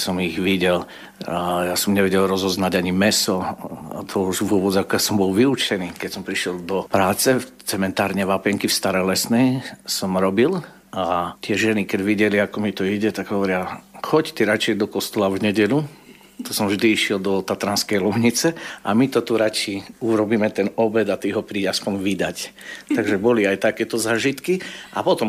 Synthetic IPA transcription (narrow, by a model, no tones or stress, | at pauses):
sɔmiɣʋiɟɛl | jasɔmɲɛʋɛɟɛlɾɔzɔznaɟaɲimɛsɔa̰t̪ʰɔuʒʋʊɔbɔd͡zakɔjasɔmbɔlʋiut͡ʃɛniːkɛcsɔmpɾiʃɛlˠd̪ɔpɾaːt͡sɛt͡sɛmɛnt̪aːɾɲɛʋapɛŋkifst̪aɾɛlɛsnɛjsɔmɾɔbil | at̪ɪɛʒɛnikɛdʋiɟɛliakɔmit̪ɔiɟɛt̪aɡɦɔʋɔɾɪaxɔct̪ɛɾat͡ʃɛjd̪ɔkɔst̪ɔlavɲɛɟɛlu | t̪ɔsɔmʋʒd̪iiʃɪɛld̪ɔt̪at̪ɾanskɛjlumɲit͡sɛʔamit̪ɔt̪uɾat͡ʃiuɾɔbiːmɛt̪ɛnɔbɛd̪at̪iɦɔpɾiːɟaspɔɲʋid̪act̪aɡʒɛbɔliajt̪akɛt̪ɔzaːʒit̪kiʔa̰pɔt̪ɔm